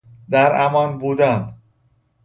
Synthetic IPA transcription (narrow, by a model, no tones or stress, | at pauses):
d̪æɾæmɒːnbuːd̪æn